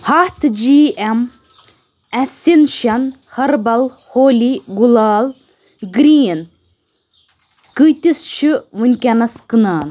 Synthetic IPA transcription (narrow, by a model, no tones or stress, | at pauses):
hɐht̪ʰd͡ʒiːem | ɐsinʃɐn | hɐɾbɐl | hoːliɡulaːl | ɡɾiːn | kɨjt̪ist͡ʃʰɨʋunʲkʲɐnɐskɨnaːn